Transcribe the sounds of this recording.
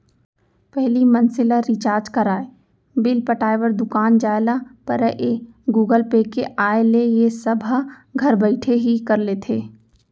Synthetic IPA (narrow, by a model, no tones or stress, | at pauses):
pɛɦlimɐnsɪlaɾɪt͡ʃaːɾd͡ʒkɐɾaːe | bɪlpəʈaːjʋəɾd̪ʊkaːnd͡ʒaːelapɐɾəʔeɡuːɡəlpeːkeʔaːelejesɐbʱa | ɡʱɐɾbɐɪʈʰeɦikɐɾleːt̪ʰeː